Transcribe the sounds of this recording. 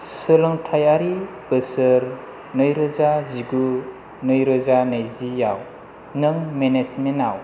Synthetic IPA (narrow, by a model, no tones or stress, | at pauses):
sɯlɯŋtʰajaɾi | b̥ɯsɯɾ | nɯjɾɔzaziɡu | nɯjɾɔzanɯjzijaw | nɯŋmenesmenaw